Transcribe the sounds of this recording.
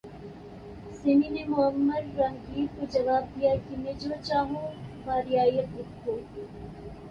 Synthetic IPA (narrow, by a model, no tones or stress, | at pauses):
seminemʊɦəmːəɾɾɐŋɡiːɾkod͡ʒɐʋaːb̚d̪ijaːkimeːd͡ʒoːt͡ʃaːɦõbʱaːɾijaːiɐɪt̪ːoː